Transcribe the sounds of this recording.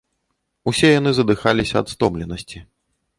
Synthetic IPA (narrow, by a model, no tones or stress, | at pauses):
usʲɛjanɨzɐd̪ɨxalʲisʲɐɐt̪st̪ɔmlʲɛnɐsʲt͡sʲi